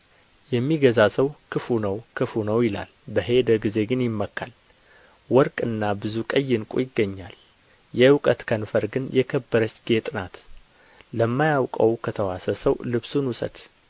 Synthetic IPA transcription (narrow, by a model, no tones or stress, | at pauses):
jɛmːiɡəzasəwkʰɨfunəwkʰɨfunəwjɪla̰lbəɦe̞d̪əɡize̞ɡɨnjɪmːəkːal | wɔɾkʼɨnːabɨzukʼəjːɪnkʼṵjɪɡːəɲːal | jɛɨwkʼət̪kʰənfəɾɡɨnjɛkʰəbːəɾət͡ʃːɡ̥e̞t̪ʼɨnat̪ | ləmːajawkʼəwkʰət̪ʰəwasəsəwlɨβsunwusə̰d̪̥